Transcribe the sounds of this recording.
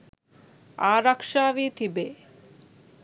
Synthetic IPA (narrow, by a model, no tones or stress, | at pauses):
aːɾɐkʂaːʋiːt̪ʰibeː